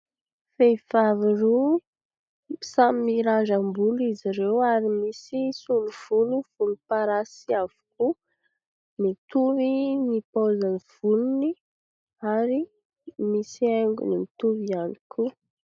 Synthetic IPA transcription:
fejv̥aviro | samimiɾazambuliziɾewaɾimisisuluv̥uliv̥ulupaɾasiavu̥ku | mit̪uvinipozaniv̥ununi | aɾi | misieŋɡṵnimit̪uvianikʰu

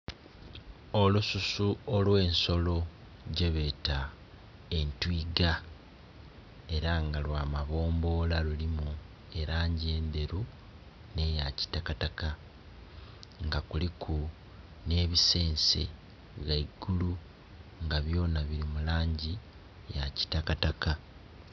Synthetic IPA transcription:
o̞lususuolwe̞ːnso̞lo̞ | ɟeβe̞ːta | e̞ntwiːɡa | e̞ɾaŋɡalwaːmaβo̞ːmbo̞ːlalulimu | e̞ɾaːɲɟie̞ːnd̪e̞ɾu | ne̞jaci̥takataka | ŋɡakulikʰu | ne̞ːβise̞ːnse̞̰ | ɣaiɡ̥ulu | ŋɡaβjo̞ːnaβiɾimulaːɲɟi | jaci̥takataka

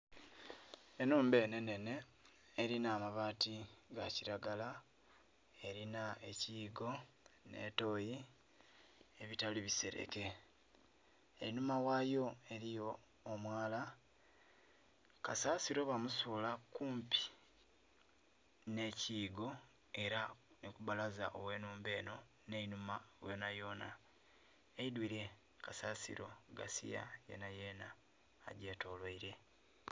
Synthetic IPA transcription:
e̞nuːmbe̞ːne̞ne̞ne̞ː | ɾinaːmaβaːtiɡaciɾaɡala | e̞ɾinae̞ciːɡo̞ | ne̞̰to̞ji | e̞βitaliβise̞̰ɾḛke̞ | eɾinumawaːjo̞e̞ɾijo̞ː | mwaːla | ka̰saːsiɾo̞βamusuːlakuːmpʰi̥ | ne̞ciːɡo̞ | e̞ɾanikuβalazaʔo̰we̞ːnuːmbe̞ːno̞ | nenumajonajo̞na | eidwiɾe̞ | kasaːsḭɾo̞̰ɡa̰sḭja̰je̞̰naje̞ːna̰ː | ɟe̞to̞ːlweiɾe̞

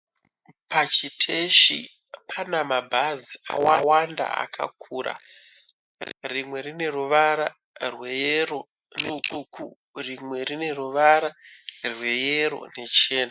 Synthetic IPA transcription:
pat͡ʃitʰe̞ʃḭ | pʰanamabʱazia̰wawanda̰a̰kʰa̰kʰuːɾa̰ | rimwe̞rine̞ruʋaɾa | rwe̞jero̞ | nukukṵ | rimwe̞rine̞ruʋaɾarwe̞jeɾo̞̰ne̞t͡ʃe̞ːna

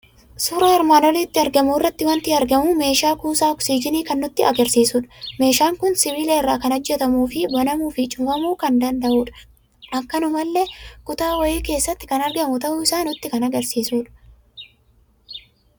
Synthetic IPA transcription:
suːɾɐhɪɾmaːnɔlɛt̪ːɪɐɾɡɐmuɪrːɐt̪ːɪwɐnt̪ɪɐɾɡɐmuːme̞ːʃaːkuːsaːɔksiːd͡ʒɪniːkɐnːʊt̪ːɪɐɡɐɾsiːsuːᶑɐ̥me̞ːʃaːŋkʊnsɪviːlɛɪrːaːkɐnɐd͡ʒːɛt̪ɐmuːfɪbɐnɐmuːfɪt͡ʃʼʊfɐmuːkɐnd̪ɐnd̪ɐʔuːᶑɐ̥ | ʔɐkːɐnʊmɐlːekʼʊt̪aːwɐjeːke̞ːsːɐt̪ːɪkɐnɐɾɡɐmʊt̪ɐʔʊɪsaːnʊt̪ːɪkɐnɐɡɐɾsiːsuːᶑɐ̥

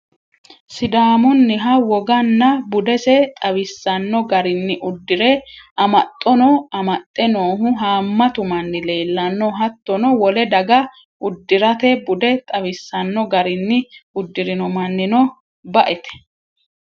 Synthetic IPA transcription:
sɪd̪aːmɔnːɪɦɐwɔɡɐnːɐbʊd̪ɛsɛt̪ʼɐwɪsːɐnːɔɡɐɾɪnːɪʔʊd̪ːɪɾɛɐmɐt̪ʼːɔnɔɐmɐt̪ʼːɛnoːɦʊɦaːmːɐt̪ʊmɐnːɪle̞ːlːɐnːɔɦɐt̪ːɔnɔwɔlɛd̪ɐɡɐ | ʔʊd̪ːɪɾɐt̪ɛbʊd̪ɛt̪ʼɐwɪsːɐnːɔɡɐɾɪnːɪʊd̪ːɪɾɪnɔmɐnːɪnɔ | bɐʔɛt̪ɛ̥

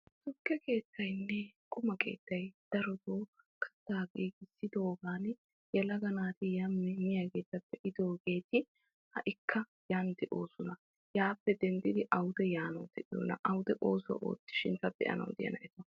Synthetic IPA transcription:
sʊkːɛke̞ːt̪ːɐjnːɛkʼʊmɐkʰe̞̰ːt̪ːɐjd̪̥ɐɾɔd̪oː | kʰɐ̥t̪ːaːɡiːɡɪsːɪd̪oːɡaːn | jɛlɐɡɐnaːt̪ɪjɐmːɛmɪjɐke̞ːt̪ːɐpːɛʔɪd̪oːɡe̞ːt̪ɪ | hɐʔɪkʰːɐ | jand̪ɪʔo̞ːsʊnɐ | jaːpːɛd̪ɛnd̪ɪd̪ɪʔɐwʊd̪ɛjaːnɐwd̪ɪʔo̰ːnɐ̰ʔɐwʊd̪ɛʔoːsʊwɐ̰ʔo̰ːt̪ːɪ̥ʃɪnt̪ɐbɛ̰ʔɐ̰nɐ̰wd̪ɪ̰jɐ̰nɐ̰ʔɛt̪ɔ

